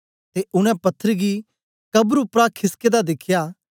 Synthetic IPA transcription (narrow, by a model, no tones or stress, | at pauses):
t̪eʔʊñɛ̃pɐt̪ʰːəɾɡi | kɐbɾʊpɾakʰɪsked̪ad̪ɪkʰjaː